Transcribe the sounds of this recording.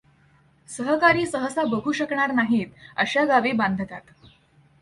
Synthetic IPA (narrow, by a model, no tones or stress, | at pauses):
səɦəkaɾiːsəɦəsabəɡʱuːɕəkɳaɾnaɦiːt̪ə̰ɕaɡaʋiːband̪ʱət̪at̪